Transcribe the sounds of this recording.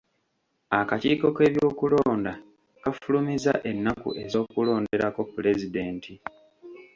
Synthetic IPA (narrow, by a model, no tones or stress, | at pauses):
akaciːko̞ke̞ːβjo̞ːkulo̞ːnda | kafulumiza̰ʔe̞nːakṵʔe̞zo̞ːkulo̞ːnde̞ɾako̞pːule̞zide̞ːntʰi